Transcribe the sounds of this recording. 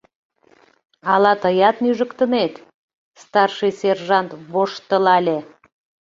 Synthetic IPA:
ɑlɑt̪əjɑt̪nyʒəkt̪ənet̪ | st̪ɑrʃɨjserʒɑnt̪βoʃt̪əlɑlʲe

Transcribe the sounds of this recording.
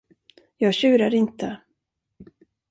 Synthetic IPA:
jɑːɡɕʉ̟ːɾaɾɪnt̪ə

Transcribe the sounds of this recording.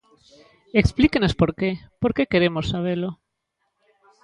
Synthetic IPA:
eksplikenospoɾkepoɾkekeɾemosːaβ̞elo

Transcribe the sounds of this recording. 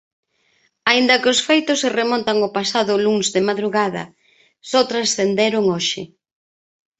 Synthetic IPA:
aind̪ɐkɪʊsfejt̪ʊseremɔnt̪aŋopasaðʊluŋzðɪmaðɾuɣað̞ɐ̰ | sɔt̪ɾasθend̪eɾʊŋoʃɪ

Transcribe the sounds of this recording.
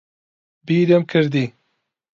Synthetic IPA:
biːɾəmkʰɨɾd̪i

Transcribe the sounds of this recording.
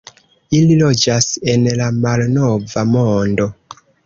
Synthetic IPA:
ililod͡ʒase̞nlamalnovamondo̞

